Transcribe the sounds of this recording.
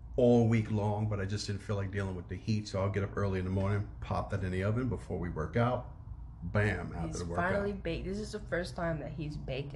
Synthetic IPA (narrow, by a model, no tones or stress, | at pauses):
ɔlˠəwiklɔ̃ŋbʌɾaɪd͡ʒʌsd̥ɪdⁿn̩filaɪk̚d̥ilˠɪ̃ŋwɨðɨhitsoʊaɪlˠɡɛɾʌpɜ˞lˠiɨ̃nðəmɔɹnɪ̃ŋpʰɑ̰p̚ðɨɾɛ̃niʌvɨ̃nbəfɔɹwiwɜ̰˞kaʊt̚ | b̥æ̃ma̰ʊʌðəwãɪ̃nl̩ˠibeɪk̚ðɪs̬ɨzðəfɜ˞stʰãɪ̃mðɨt̚hizbeɪk